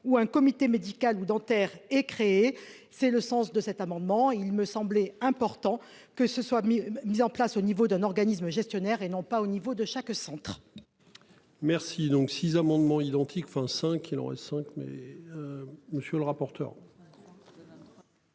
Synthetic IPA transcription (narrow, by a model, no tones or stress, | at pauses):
uɛ̃kɔmit̪emed̪ikalud̪ɑ̃t̪ɛʁɛkχee | sɛləsɑ̃sd̪əsɛt̪amɑ̃d̪mɑ̃ilməsɑ̃blɛɛ̃pɔʁt̪ɑ̃ | kəsəswamizɑ̃plasonivod̪ɛ̃nɔʁɡanis̬məʒɛst̪jɔnɛʁenɔ̃paonivod̪əʃaksɑ̃t̪χ | mɛʁsid̪ɔ̃ksizamɑ̃d̪mɑ̃id̪ɑ̃t̪ʰikɑ̃fɛ̃sɛ̃kʰilɔ̰ʁɛ̰sɛ̃kmɛ̰ | məsjələʁapɔʁt̪œ̰ʁ